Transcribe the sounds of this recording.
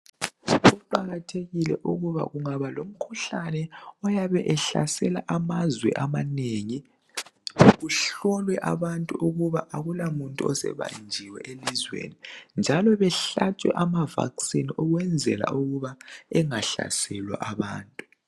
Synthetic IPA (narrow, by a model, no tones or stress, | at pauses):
ɣuǃaɣatʰeɣilɛʔuɣuβa̰ɣuŋaβalom̩kʰuɬanɛɔjaβɛʔɛɬa̰sɛlaʔamazwɛ̰ʔamaneŋi | ɣuɬɔlwɛʔaβantʼuʔuɣuβaʔaɣulamuntʼuɔsɛ̰βa̰nd͡ʒʱiwɛ̰ʔelizwḛnind͡ʒʱalɔβɛɬat͡ʃʼwɛ̰ʔamava̰ksiniɔɣwɛnd͡zʱɛ̰la̰uɣuβaɛŋaɬa̰sɛlwa̰ʔaβaːntʼu̥